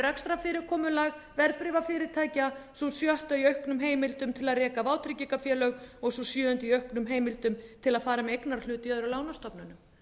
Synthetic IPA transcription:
ɾɛkst̪ɾafɪːɾɪɾ̥kʰɔːmʏlaɣvɛɾpɾɪːvafɪːɾɪɾ̥t̪ʰaːjcasɔsjœht̪aiœɥhknʏmɦeːjmɪlt̪ʏmt̪ʰɪlaðrɛːkavaːwt̪ʰɾɪcikafjɛːlœɣɔɣsɔsjœːʏnt̪iœɥhknʏmɦeːjmɪlt̪ʏmt̪ʰɪlaðfaːɾamɛejknaɾal̥ʏːt̪ɪœðʏɾawlaːwnast̪ɔpnanʏm

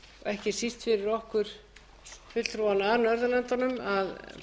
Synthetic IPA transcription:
ɔɛhcɪsist̪fɪɾɪɾɔhkʏɾ̥ | fʏlɾuːanaɾnœɾðʏlɛnt̪anʏmað

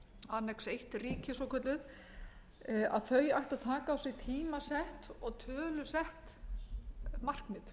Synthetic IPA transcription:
anɛksejht̪riːcɪsɔkʰœt̪lʏð | a̰ðθœɥjajht̪aðt̪ʰaːkaːwsɪɣt̪ʰiːmasɛht̪ɔɣt̪ʰœːlʏsɛht̪ | mar̥knɪð

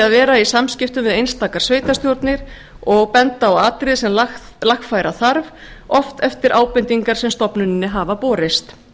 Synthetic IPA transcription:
aðvɛːɾaisamscɪft̪ʏmvɪðejnst̪aːkaɾ̥sveːjt̪ast̪jowɾt̪nɪɾ̥ | ɔɣpɛnt̪aawaːt̪ɾɪðsɛmlax | laxfaːjɾaθaɾv | ɔft̪ɛft̪ɪɾʔaːwpɪnt̪iŋkaɾ̥sɛmst̪ɔpnʏnɪnːɪɦaːvapɔːɾɪst̪

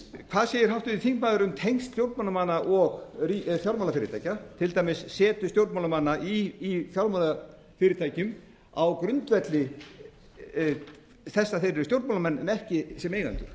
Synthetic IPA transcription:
kʰv̥aðseːjɪɾ̥ɦawht̪ʏiθiŋkmaːðʏɾʏmt̪ʰejŋst̪st̪jowɾt̪manamanːaʔɔɣriθjawlmaːlafɪːɾɪt̪ʰaːjcat̪ʰɪlt̪ajmɪsːɛːt̪ʏst̪jowɾt̪mawlamanːaʔiːθjawlmala | fɪːɾɪt̪ʰaːjcʏm | awkɾʏnt̪vɛt̪lɪ | θɛsːaθeɾɪɾɪst̪jowɾt̪malamɛnːɛnɛhcɪsɛmeːjɣa̰nt̪ʏɾ̥

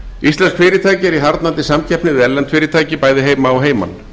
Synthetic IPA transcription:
ist̪lɛnskfɪːɾɪt̪ʰaːjcɪɛɾiɦaɾt̪nant̪ɪsamcʰɛhpnɪðɪɛllːɛnt̪ʰfɪːɾɪt̪ʰaːjcɪpaːjðɪɦeːjmaɔwɦeːjma̰n

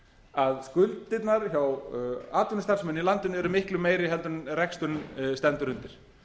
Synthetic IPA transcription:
aðskʏlt̪ːɪt̪naɾçawaːt̪ʏnɪst̪ansmɛnilant̪ɪnɛɾʏmɪhklʏmːeːjɾɪɦɛlt̪ʏnɾɛkst̪ʏnst̪ɛnt̪ʏɾʏnt̪ɪɾ̥

